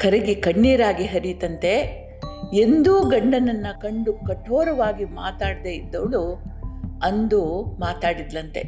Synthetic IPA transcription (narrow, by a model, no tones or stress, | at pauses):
kʰɐɾɐɡikɐɳːiːɾaːɡiɦɐɾit̪ɐnt̪e̞ | end̪uːɡɐɳɖɐnɐnːɐkɐɳɖukɐʈːoːɾɐʋaːɡimaːt̪aːɽd̪eid̪ːɐʋɭu | ɐnd̪umaːt̪aːɽid̪ːɐnt̪e̞̰